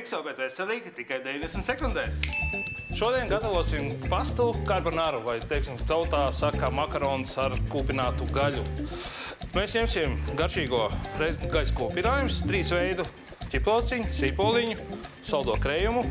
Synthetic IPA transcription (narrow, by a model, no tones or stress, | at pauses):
ksawbɛt̪vɛsɛlˠiːkt̪ikajd̪ʲevind̪esnt̪sekund̪ɛjs | ʃuɔd̪iɛnɡat̪aʋuɔsimpast̪ukaɾbanaɾuvajt̪ɛjksimt̪awt̪aːsakːamakaɾɔːnsaɾkuːpʲinaːt̪uɡaʎʲu | meːsɲemsʲimɡaɾʃiːɡuɔɾɛzɡajʲskuːpʲinaːjumst̪ɾiːsvɛjd̪u | cʲiplˠɔːt̪siɲusipolˠiɲusawd̪uɔkɾɛjumu